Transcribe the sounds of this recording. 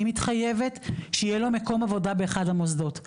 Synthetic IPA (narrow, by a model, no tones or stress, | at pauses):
mitχaje̞ve̞tʃeijelo̞meko̞mavo̞dabe̞ːχadhamozdo̞t